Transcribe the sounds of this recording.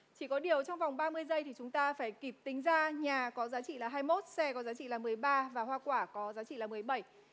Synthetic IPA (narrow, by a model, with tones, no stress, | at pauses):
t͡ɕi˧˩kɔ˨˦ɗi˨˩əwt͡ɕɔ˧wŋ͡mva˨˩wŋ͡mɓaː˧mɨ˧əjzə˧jt̪ʰi˨˩t͡ɕʊ˨˦ŋ͡mt̪aː˧faː˧˩jki˨˩p̚t̪ï˨˦ŋ̟zaː˧ɲaː˨˩kɔ˨˦zaː˨˦t͡ɕḭ˧˨laː˨˩ɦaː˧jmo˦˥t̚sɛ˧kɔ˨˦zaː˨˦t͡ɕḭ˧˨laː˨˩mɨ˨˩əjɓaː˧vaː˨˩hwaː˧kwaː˧˩kɔ˨˦zaː˨˦t͡ɕḭ˧˨laː˨˩mɨ˨˩əjɓə˧˩j